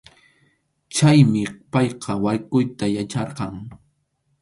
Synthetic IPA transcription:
t͡ʃajmɪpɑjqʰɑwajkʊjt̪ajat͡ʃɑɾqɑŋ

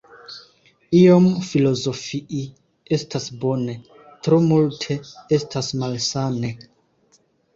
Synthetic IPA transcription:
iomfilo̞zo̞fiʔi | e̞stasbo̞ne̞ | tɾomultʰe̞estʰasmalsane̞

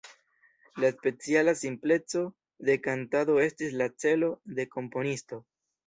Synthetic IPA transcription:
laspe̞t͡sialasimple̞t͡so̞ | d̪e̞kantado̞e̞stislat͡se̞lo̞d̪e̞ko̞mpo̞nisto̞

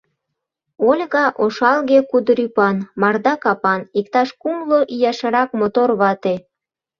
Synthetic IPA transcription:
olʲɣɑʔoʃɑlɣekud̪ɾypɑnmɑrd̪ɑkɑpɑnikt̪ɑʃkumloʔijɑʃɤɾɑkmot̪orβɑt̪e

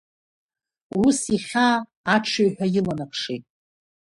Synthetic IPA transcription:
wusiχʲaː | ʈ͡ʂʷʰaɥħʷᶣajɪlanapʰʂejtʼ

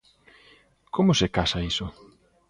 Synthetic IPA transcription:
komʊsekasaisʊ

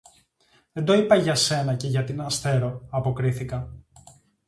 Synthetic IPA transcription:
ðend̪o̞ipɐʝɐse̞nɐce̞ʝɐt̪inɐst̪e̞ɾo̞ɐpo̞kɾiθikɐ

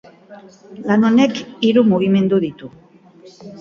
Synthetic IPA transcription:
lanonekiɾumuɣ̞ime̞nd̪uðit̪u

